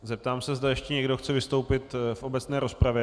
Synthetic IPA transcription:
zɛp̚t̪aːmsɛzd̪ajɛʃcɛɲɛɡdo̞xt͡sɛvɪst̪o̞wpɪt̪fʔo̞bɛt͡snɛːɾo̞spɾavjɛ

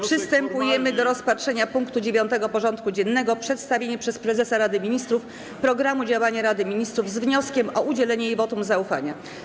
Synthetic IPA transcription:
pʂɘst̪ɛmpujɛmɘd̪ɔɾɔspatʂɛɲapuŋkt̪ud͡ʑevʲjɔnt̪ɛɡɔpɔʐɔnt̪̚kud͡ʑɛnːɛɡɔpʂɛt̪st̪avʲeɲɛpʂɛspɾɛzɛsaɾad̪ɘmʲiɲist̪ɾuf | pɾɔɡɾamud͡ʑawaɲaɾad̪ɘmʲiɲist̪ɾuvzvɲɔskʲɛmɔʔud͡ʑɛlɛɲɛivɔt̪umzaufaɲa

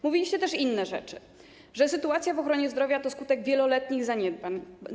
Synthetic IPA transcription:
muvʲilʲiɕt͡ɕɛt̪ɛʂinːɛʐɛ̰t͡ʂɘ̥ | ʐɛsɘt̪uat̪sʲjavɔxɾɔɲɛzd̪ɾɔvʲjat̪ɔskut̪ɛɡvʲjɛlɔlɛt̪ɲiɣzaɲɛd̪̚baɲ

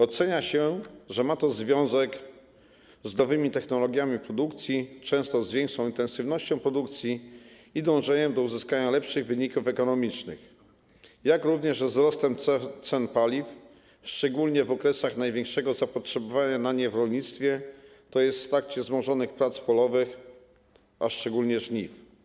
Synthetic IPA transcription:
ɔt̪sɛɲaɕɛʐɛmat̪ɔzvʲjɔ̃w̃zɛk | znɔvɘmʲit̪ɛxnɔlɔɡʲjamʲipɾɔd̪ukt̪sʲjit͡ʂɛ̃w̃st̪ɔzvʲɛŋkʂɔ̃w̃int̪ɛ̃nsɘvnɔɕt͡ɕɔ̃w̃pɾɔd̪ukt̪sʲji | id̪ɔ̃w̃ʐɛɲɛd̪ɔuzɘskaɲalɛpʂɘɣvɘɲikufɛkɔnɔmʲit͡ʂnɘ̰x | jakɾuvɲɛʐvzɾɔst̪ɛmt̪sɛnpalʲif | ʂt͡ʂɛɡulɲɛvɔkɾɛsaxnajvʲjɛ̃ŋkʂɛɡɔzapɔtʂɛbɔvaɲanaɲɛvɾɔlɲit̪st̪fʲjɛ | t̪ɔjɛst̪ft̪ɾak̚t͡ɕɛzmɔʐɔnɘxpɾat̪spɔlɔvɘx | ʔaʂt͡ʂɛɡulɲɛʐɲif

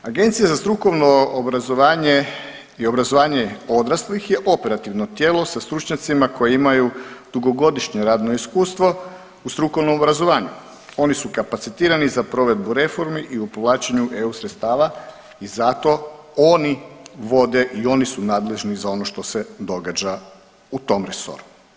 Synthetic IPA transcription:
aɡe̞nt̪sijazast̪ɾuko̞ʋnoobɾazoʋaːɲe | io̞bɾazo̞ʋaːɲe̞o̞d̪ɾaslixje̞ʔo̞pe̞ɾat̪iʋno̞t̪jeːlˠo̞sast̪ɾut͡ʃɲat̪simako̞jeimajud̪̥uɡo̞ɡo̞d̪iʃɲo̞ɾaːd̪no̞iskuːst̪ʋo̞ | ust̪ɾuko̞ʋno̞mobɾazo̞ʋaːɲu | o̞nisukapat̪sit̪iːɾanizapɾo̞ʋe̞d̪buɾe̞fo̞ɾmiʔiupʋlˠaːt͡ɕeɲuʔe̞usɾet̪st̪aːʋa | izat̪o̞ | o̞niʋo̞d̪e̞ʔio̞nisunaːd̪le̞ʒnizao̞no̞ʃt̪o̞se̞d̪o̞ɡad͡ʑa | ut̪o̞mɾeso̰ɾu̥

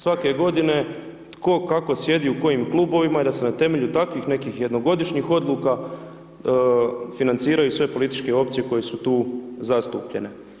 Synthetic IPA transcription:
sʋake̞ɡo̞d̪ine̞ | t̪ko̞kako̞sje̞d̪iuko̞jimklˠuːbo̞ʋimaid̪ase̞nat̪e̞me̞ʎut̪akʋixne̞kixjed̪no̞ɡo̞d̪iʃɲixo̞d̪lˠuːka | finant̪siːɾajusʋe̞po̞lit̪it͡ʃke̞o̞p̚t̪sije̞ko̞jesut̪uːzast̪uːpʎe̞ne̞

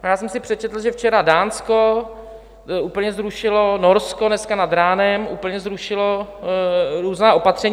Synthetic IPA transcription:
ajaːsɛmsɪpr̝̥ɛt͡ʃɛt̪l̩ʒɛft͡ʃɛɾadaːnsko | uːpl̩ɲɛzɾuʃɪlonoɾskonɛskanad̪ɾaːnɛmʔuːpl̩ɲɛzɾuʃɪlo | ɾuːznaːʔo̞pat̪r̝̥ɛɲ

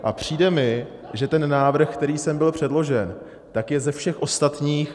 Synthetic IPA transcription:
ʔapr̝̥iːdɛmɪ | ʒɛt̪ɛnːaːvr̩xkt̪ɛɾiːsɛmbɪlpr̝̥ɛdlo̞ʒɛn | t̪akjɛzɛfʃɛxʔo̞st̪at̪ɲiːx

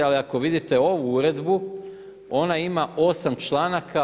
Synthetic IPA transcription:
aliako̞ʋid̪it̪e̞o̞ʋuuɾe̞d̪bu | o̞naimaʔo̞samt͡ʃlˠaːnakʰa

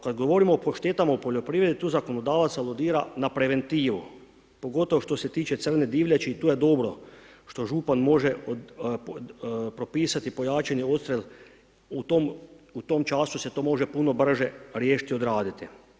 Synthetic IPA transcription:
kad̪ɡo̞ʋo̞ɾimoːpoʃt̪eːt̪amaopo̞ʎo̞pɾiːʋɾe̞d̪it̪uːzako̞no̞d̪aːʋat̪salˠod̪iːɾa̰napɾe̞ʋe̞nt̪iːʋu | po̞ɡo̞t̪oʋoʃt̪o̞se̞t̪iːt͡ʃe̞t̪sr̩ne̞d̪iːʋʎʲat͡ʃiit̪uːje̞d̪o̞bɾo̞ʃt̪o̞ʒupanmo̞ʒe | pɾo̞piːsat̪ipo̞jaːt͡ʃenio̞t̪st̪ɾel | ut̪omut̪o̞mt͡ʃaːsuse̞t̪o̞ːmo̞ʒe̞puno̞br̩ʒeɾjeːʃi̥t̪io̞d̪ɾaːd̪it̪i

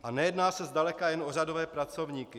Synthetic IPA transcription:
ʔanɛjɛdnaːsɛzdalɛkajɛnʔo̞r̝ado̞vɛːpɾat͡so̞vɲiːkɪ

